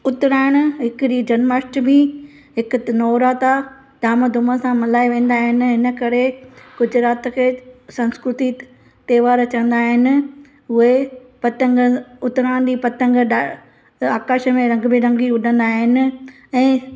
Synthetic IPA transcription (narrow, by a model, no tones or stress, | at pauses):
ʊt̪ɾaːɪɽ̃ʊɦɪkɾid͡ʑɐnmaːsʈbĩ | ɦɪkʊnɔːɾaːt̪a | d̪aːməd̪ʱʊməsãmɐlaːiʋẽːn̆d̪aːɦɪnɪ̆ɦɪnə̆kɐɾeɡ̥ʊd͡ʑɾaːt̪kʰeːsɐ̃nskɾʊt̪i | t̪eːʋaːɾt͡ɕɐə̃n̆d̪aːɦɪnɪ̆ | ɦʊɦepɐt̪ə̃ŋɡʊt̪ɾaːɽ̃d͡ʑipɐt̪ə̃ŋɡɗa | aːkaːʃə̆mẽɾɐ̃ŋɡbɪ̃ɾɐ̃ŋɡiʊɖʱə̃nd̪aːɦɪnɪ̆ | ɛ̃ː